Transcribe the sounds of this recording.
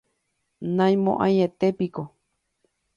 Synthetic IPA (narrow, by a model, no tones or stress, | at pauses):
nãj̃mõ̰ʔã̰j̃et̪epiko